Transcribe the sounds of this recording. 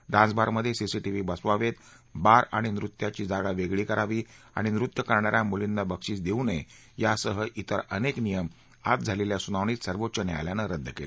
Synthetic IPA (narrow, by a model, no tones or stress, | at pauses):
ɖ̪ãsbʱaɾməd̪ʱːjesisiʈiʋiːbəsʋaʋet̪ | baɾaɽ̃inɾut̪jat͡ɕiːd͡zaɡaʋeɡɭiːkəɾaʋiː | a̰ɽ̃inɾut̪jəkəɾɳaɾamulind̪abəkʂiːsd̪eune | jasəɦəʔit̪əɾəneknijəm | a̰t̪̚d͡zʱaleljasunaʋɳ̃iːt̪səɾʋotːɕənea̰ljanəɾəd̪ʱːəkel